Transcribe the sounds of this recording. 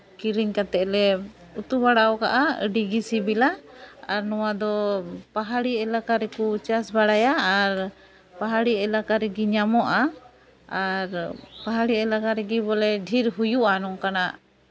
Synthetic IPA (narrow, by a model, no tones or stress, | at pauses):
kiɾiɲkat̪ɛʔlɛ | ut̪ubaɽaɔkaʔaə̰ɖiɡisibilaaɾnɔwad̪ɔpaɦaɽiɛlakaɾɛkut͡ʃasbaɽajaːɾ | paɦaɽiɛlakaɾɛɡiɲamɔʔa | aɾpaɦaɽiɛlakaɾɛɡibɔlɛɖʱiɾɦujuʔanɔŋkanaʔ